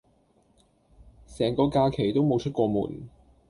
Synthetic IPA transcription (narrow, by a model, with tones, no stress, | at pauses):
sɛː˨˩ŋkɔː˧kaː˧kʰe˨˩jt̪o˥wmo˨˧wt͡ʃʰɵ˥t̚kʷɔː˧mṵː˨˩n